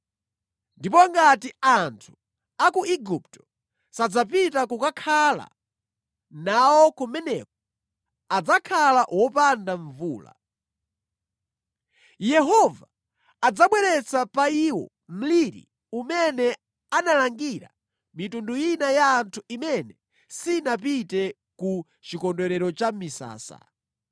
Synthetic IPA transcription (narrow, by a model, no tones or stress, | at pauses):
ndipɔŋɡatiantʰu̥ | akuiɡuptɔ̥ | sad͡zap̬itakukakʰala̰ | nawɔkumɛnɛk̚ɔ | ad͡zakʰalaʔwɔpandaɱvṵːla̰ | jɛɦɔvaː | d͡zaɓwɛɾɛt͡sapaiwɔ̰ | m̩liɾḭ | umɛnɛ | analaŋɡiɾa | mitundujinajaːntʰuimɛnɛ | sinap̬itɛ | ku | t͡ʃikɔndwɛɾɛɾɔt͡ʃamisa̰ːsa̰